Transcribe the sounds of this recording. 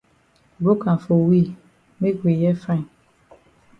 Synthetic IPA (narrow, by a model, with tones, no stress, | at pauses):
bo˦kã˨fo˨wi˦˨ | me˦ɡwi˨jɛ˦fã˦ĩ˨